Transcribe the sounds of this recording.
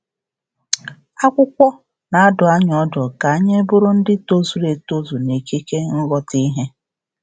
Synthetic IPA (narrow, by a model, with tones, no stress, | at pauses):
a˦kʷʊ˦kʷɔ˦ | na˨a˦dʊ˨a˦ɲɔ˦dɔ˨ka˨a˦ɲe˦bʊ˦ɾʊ˦n̩˦dɪ˦to˦zu˨ɾe˨to˦zu˨ne˨ki˦ke˦ŋ̩˦ɣɔ˨ti˦ɦe˦